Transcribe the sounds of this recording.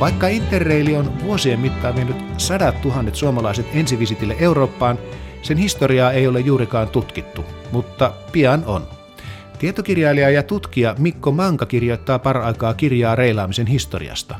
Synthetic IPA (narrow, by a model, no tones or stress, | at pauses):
ʋɑikːɑint̪ːerːeilionʋuosiemːmit̪ːɑːʋienːyt̪sɑdɑt̪ːuɦɑnːet̪suomɑlɑiset̪ensiʋisit̪ilːeʔeuɾoːpːɑːnsenhist̪oriɑːeiolejjuːɾikɑːnt̪ut̪kit̪ːumut̪ːɑpiɑno̰n | t̪iet̪okirjɑiliɑjɑt̪ut̪kiɑmikːomɑŋkɑkirjoit̪ːɑːpɑrɑikɑːkirjɑːreilɑːmisenhist̪o̰rḭɑ̰st̪ɑ